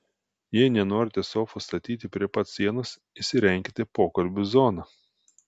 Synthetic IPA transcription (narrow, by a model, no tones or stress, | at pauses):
jiɛnʲɛnoːɾʲɪt̪ʲiɛsʲoːkfɐst̪ɐt̪ʲiːt̪ʲɪpʲɾʲiɛpɐt̪sʲiɛnos | ɪʃsʲɪɾʲɛŋʲkʲɪt̪ʲɪpoːkɐlʲbʲʊzɔnɑ